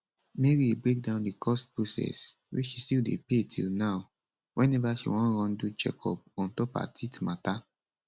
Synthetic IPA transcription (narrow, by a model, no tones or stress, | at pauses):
meɾibɾek̚dãʊ̃ndikʰɔstbusɛ̰s | wiʃistildḛpetʰḭlnaʊ | wʔɛ̃nɛvaʃḭwɔ̃nɾɔ̃ndud͡ʒɛ̰kʰɔ̰p̚ɔ̃ntɔpa̰tʰitmata